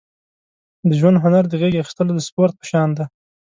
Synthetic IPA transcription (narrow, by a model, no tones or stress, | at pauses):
d̪əʒwand̪ɦʊnaɾd̪əɣeɡaxi̥st̪əlod̪əspoɾt̪̚pə̥ʃɑnd̪a